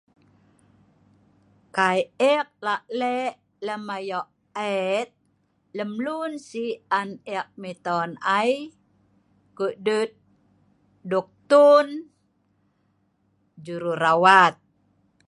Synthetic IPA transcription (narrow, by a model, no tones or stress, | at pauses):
kajɛk̚laʔlɛʔ | ləmajɔʔ | ɛt̪̚ | ləmlunsianɛk̚mit̪ɔnaj | kəʔdət̪̚ | duk̚t̪un | d͡ʒuɾuɾawat̪̚